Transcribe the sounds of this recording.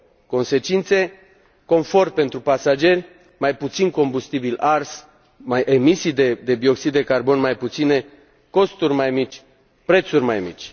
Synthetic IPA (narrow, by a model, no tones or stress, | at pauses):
ko̞nse̞t͡ʃint̪se̞ | ko̞nfo̞rpe̞nt̪ɾupasad͡ʒe̞rʲ | majput̪sinko̞mbust̪ibilars | majʔemisijd̪ed̪e̞bio̞ksid̪ːe̞karbo̞nmajput̪sine̞ | ko̞st̪urʲmajmit͡ʃʲ | pɾe̞t̪surʲmajmḭt͡ʃʲ